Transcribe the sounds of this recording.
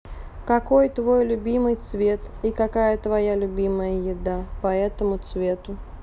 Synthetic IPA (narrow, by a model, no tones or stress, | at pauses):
kɐkojt̪vo̞jlʲʊbʲimɨjt̪svʲe̞t̪ikɐkajət̪vɐjalʲʊbʲiməjəjɪd̪apɐɛt̪əmʊt̪svʲe̞t̪ʊ